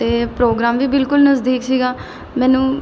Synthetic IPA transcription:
t̪eːpɾoːɡɾaːmʋiːbɪlkʊlnəzd̪iːksiːɡaː | mɛ̃ːnũː

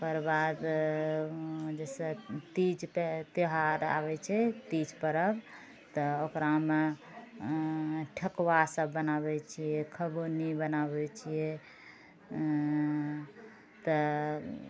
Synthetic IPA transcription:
pəɾbad̪ | d͡ʒɛset̪id͡ʒpt̪iɦaɾa̰bɛt͡ʃʰɛt̪id͡ʒpəɾəb | t̪əokɾame | ʈʰəkwasəbːənaβɛt͡ʃʰijɛkʰəbonibənabɛt͡ʃʰijɛ | t̪ə

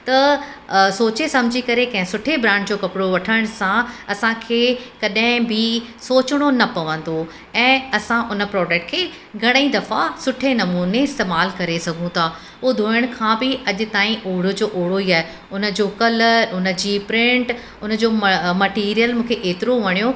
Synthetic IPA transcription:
t̪ɐ | soːt͡ɕesɐ̃mɪd͡ʑʱikɐɾekɐ̃ɦɪ̃sʊʈʰebɾãːɳɖd͡ʑoːkɐpɪɽoʋɐʈʰəɽ̃sãɐsãkʰeːkɐɗɦɪ̃bɪsoːt͡ɕɽ̃onɐpɐʋə̃nd̪o | ɛ̃ːɐsãʔʊnə̆pɾɔːd͡ʑək̚ʈ̚kʰeː | ɡʱɐɽ̃əĩd̪ɐfasʊʈʰenɐmuːneɪst̪eːmaːlkɐɾesɐɡʱũt̪ʰa | uːd̪ʱoːəɽ̃kʰãbɪɐʄʊ̆t̪aːĩʔoːɽod͡ʑoːʔoːɽoiaːɦe | ʊnə̆d͡ʑoːkɐləɾʊnə̆d͡ʑiːpɾɪ̃ɳʈ | ʊnə̆d͡ʑoːmɐʈiːɾijəlmũːkʰeʔeːt̪ɪɾoʋɐɽ̃ijo

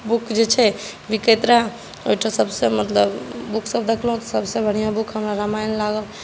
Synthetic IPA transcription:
bukd͡ʒet͡ʃʰɛ | ʋiket̪ɾa | oiʈʰasəbsemət̪ləbbukʰsəbd̪ekʰlɦũt̪ɔsəbsẽbʱəɽ̤ijabukʰɦəmɾaɾamajnlaɡəl

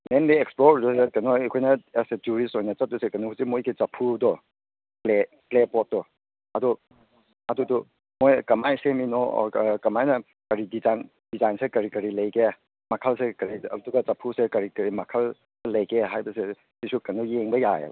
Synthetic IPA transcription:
mendeeksploɾdusekɐnoɐkʰojnɐeset͡ʃuɾisojnɐt͡ʃɐt̚dusekɐnɔhusimojɡit͡ʃɐpʰːudɔ | kle | klepɔt̚dɔ | ɐdɔ | ɐdudu | mojkɐmajseminɔ̰kɐmajnɐ | kɐɾidizan | d̥izajnsekɐɾikɐɾilɐjɡe | mɐkʰalsekɐɾiɐduɡɐt͡ʃɐpʰusekɐɾikɐɾimɐkʰal | lɐjkeɦajbɐse | sisukɐnɔjeŋbɐja̰jḛb

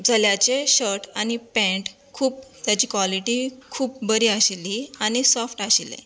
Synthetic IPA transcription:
d͡zʱaljat͡ɕeɕəɾʈañipɛ̃ɳʈ | kʰuːp̚t̪jat͡ɕiːkʋaliʈikʰuːp̚bəɾiːaɕeliañisɔfʈaɕilḛ

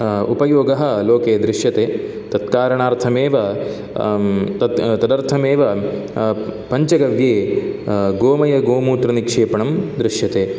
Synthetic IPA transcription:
ṵpɐjoːɡɐɦɐ̆loːkeːd̪ɾɪʂjɐt̪eː | t̪ɐt̪kaːɾɐɳaːɾt̪ʰɐmeːʋɐ | t̪ɐt̪ɐd̪ɐɾt̪ʰɐmeːʋɐ | pɐɲt͡ʃɐɡɐʋjeː | ɡoːmɐjɐɡoːmuːt̪ɾɐnikʂeːpɐɳɐmd̪ɾɪʂjɐt̪eː

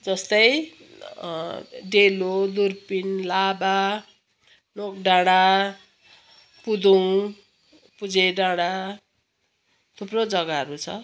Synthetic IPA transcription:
d͡zʌst̪ʌj | ɖelod̪urpinlaba | nok̚ɖaɽ̃a | pud̪uw | pud͡zeɖaɽ̃a | t̪ʰuprod͡zʌɡaɦʌɾut͡sʰʌ̰

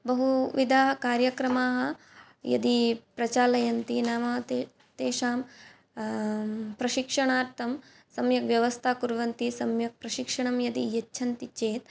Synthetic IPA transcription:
bɐɦuʋid̪ʱaːɦɐkaːɾjɐkɾɐmaːɦɐ | jɐ̰d̪ipɾɐt͡ʃaːlɐjɐnt̪inamɐt̪ | t̪eːʃaːm | pɾɐʃikʂɐɳaːɾt̪ʰɐm | sɐmjɐkʋjɐʋɐst̪ʰakuɾʋɐnt̪isɐmjɐk̚pɾɐʃikʂɐɳɐmjɐd̪ijɐt͡ʃːʃʰɐnt̪it͡ʃeːt̪̚

